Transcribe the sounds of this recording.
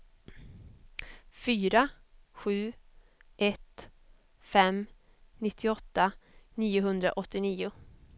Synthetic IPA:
fyːɾaɧʉ̟ː | ʔɛt̪ | fɛm | nɪt̪ʰːɪɔt̪ːaniːʊɦɵnd̪ɾa̰ʔɔt̪ːɪniːʊ

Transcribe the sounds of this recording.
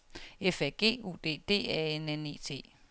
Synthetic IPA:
efɛɡ̥e̝̰ːṵːd̥e̝̰ːd̥e̝̰ːɛ̰enene̝̰t͡sʰe̝̰ː

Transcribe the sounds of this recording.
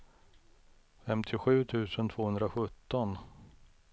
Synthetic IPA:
fɛmt̪ʰɪɧʉ̟ːt̪ʰʉ̟ːsənt̪ʰv̥oːhɵnd̪ɾaɧɵt̪ːɔn

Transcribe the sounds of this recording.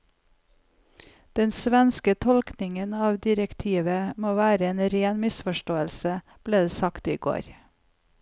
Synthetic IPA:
d̪̥ɛnsʋɛnskət̪ʰɔlknɪŋənɑːʋd̪ɪɾəkt̪ʰiːʋəmoːʋæːɾəeːnɾeːnmɪsfɔʃʈoːəlsə | b̥leːd̪sɑkt̪iːɡo̰ːɾ

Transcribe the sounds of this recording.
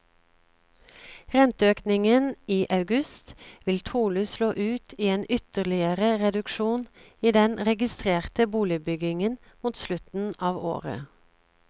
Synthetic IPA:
ʁɛnt̪əøːknɪŋəniːʔɑʉɡʉst̪ʋɪlt̪ʰuːlʉsloːʔʉːt̪ʰiːeːnʔʏt̪əʁlɪəʁəʁɛd̪ʉkʃuːniːd̪ɛnʁɛɡɪst̪ʁeːʁt̪əbuːlɪbʏɡɪŋən | muːt̪slʉt̪n̩ʔɑːʋo̰ːʁə̰

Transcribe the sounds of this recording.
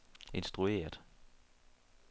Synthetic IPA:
e̝nsd̥ʁue̝̰ːɐd̥

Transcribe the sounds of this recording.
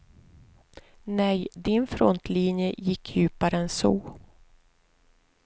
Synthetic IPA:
nɛjd̪ɪnfɾɔnt̪ʰliːnjəjɪkʰːjʉ̟ːpaɾəɛnsɔ̰

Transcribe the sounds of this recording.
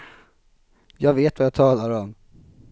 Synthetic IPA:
jɑːɡveːt̪vajaːt̪ʰɑːlaɾɔm

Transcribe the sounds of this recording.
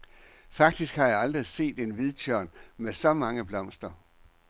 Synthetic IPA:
fɑ̈ɡ̥̚d̥isɡ̥hɑ̈jɑ̈ɪɑ̈ld̥ʁise̝̰ːd̥e̝nʋiðˠt͡ɕʰøɐ̰nmesɒ̽mɑ̈ŋəb̥lɒ̽m̰sd̥ɐ

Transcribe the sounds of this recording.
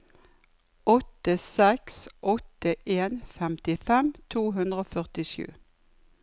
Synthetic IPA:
ɔt̪əsɛksʔɔt̪əʔeːnfɛmt̪ɪfɛmt̪ʰuːɦʉnd̪ʁəoːfœʁt̪ɪʃʉ̰ː

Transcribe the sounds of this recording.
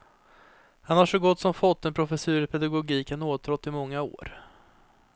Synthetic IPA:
hanhaʂɔɡɔt̪ːsɔmfɔt̪ːɛnpʰɾʊfɛsʉ̟ːɾɪpʰɛd̪aɡʊɡiːkənoːt̪ʰɾɔt̪ːɪmɔŋːao̰ːɾ

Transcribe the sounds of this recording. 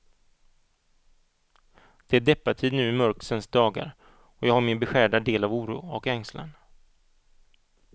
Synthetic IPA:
d̪̥ɛæɖɛpːat̪ʰiːd̪nʉ̟ːɛmœɾksənsd̪ɑːɡa̰ɾ | ɔjɑːɡhaɾmɪnbɛɧæːɖad̪eːlavuːɾṵːɔkɛŋsla̰n

